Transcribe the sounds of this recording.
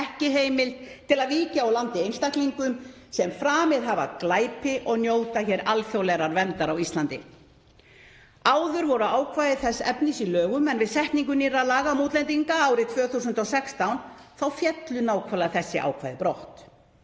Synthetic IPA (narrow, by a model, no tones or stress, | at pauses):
ɛhcɪɦeːjmɪlt̪ʰɪlaðviːcaawlant̪ɪejnst̪ahkliŋkʏm | sɛmfɾaːmɪðɦava̰klaːjpɪʔɔɣnjowt̪açɛɾalfjowlɛɾaɾvɛnt̪aɾawist̪lant̪ɪ | aːwðʏɾvɔɾʏaːwkʰvajðɪθɛsːɛ̰pnɪsilœːɣʏmɛnvɪðsɛhk̪niŋk̬ʏniːɾaðlaːɣamuːt̪lɛnt̪iŋkaaːwɾɪt̪ʰvœːθus̬ʏnt̪ɔɣsɛkst̪awnθawfjɛt̪lʏnaːwkʰvalaθɛsːɪʔa̰ːwkʰvajðɪpɾoht̪